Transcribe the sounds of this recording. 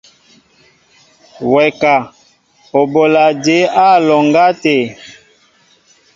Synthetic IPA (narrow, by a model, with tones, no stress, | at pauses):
wɛ˨ka˨ | o˨bo˨la˨de˨˦a˦lɔ˨ŋɡa˦te˨